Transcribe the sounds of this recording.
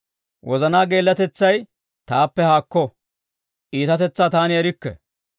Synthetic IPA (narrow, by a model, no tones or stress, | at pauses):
wʔɔzɐnaːɡe̞ːlːɐt̪ɛt͡sːɐj | t̪aːpːɛhaːkːɔ | ʔiːt̪ɐt̪ɛt͡sːaːt̪aːnɪɛɾɪkːɛ̰